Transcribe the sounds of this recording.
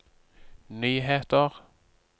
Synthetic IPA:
nyːɦeːt̪əʁ

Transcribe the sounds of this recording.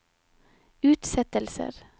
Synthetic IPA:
ʉːt̪sɛt̪əlsə̰ɾ

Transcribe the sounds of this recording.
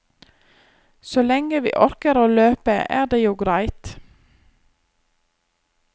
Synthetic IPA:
soːlɛŋəʋḭːʔɔɾkəɾoːløːpəʔæ̰ːʁd̪eːjuːɡɾæɪt̪

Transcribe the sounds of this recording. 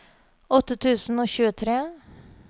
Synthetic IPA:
ɔt̪ːət̪ʰʉːsn̩oːçʉːət̪ʰɾeː

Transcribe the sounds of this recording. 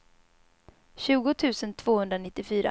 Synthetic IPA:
ɕʉ̟ːɡʊt̪ʰʉ̟ːsənt̪ʰv̥oːhɵnd̪ɾanɪt̪ːɪfyːɾa̰

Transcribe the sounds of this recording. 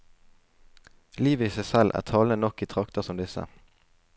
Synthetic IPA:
liːʋəiːsæɪsɛlʔæ̰ːʁt̪ʰɑːlənənɔkːiːt̪ʰʁɑkt̪əsɔmd̪ɪsə̰

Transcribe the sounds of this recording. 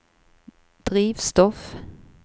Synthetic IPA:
d̪̥ʁiːʋst̪ɔf

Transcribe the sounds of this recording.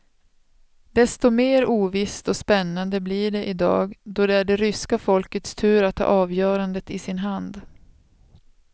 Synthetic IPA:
d̪ɛst̪ɔmeːɾuːvɪst̪ɔspɛnːand̪əblɪɖɛʔɪd̪ɑ̰ːɡd̪ɔd̪ɛæɖɛɾʏskafɔlkət̪st̪ʰʉ̟ːɾat̪ʰːɑ̰ːʔɑːvjœːɾand̪ət̪ɪsɪnɦand̪

